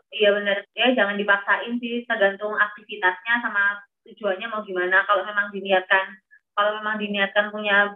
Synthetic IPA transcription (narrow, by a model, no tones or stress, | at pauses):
ijabənərjad͡ʒaŋandipak̚saʔɪnsɪht̪ərɡant̪ʊŋak̚t̪ifit̪asɲasama | t̪ud͡ʒuanɲamauɡimanakaloʔmemaŋdiniat̪̚kan | kalomemaŋdiniat̪̚kanpuɲa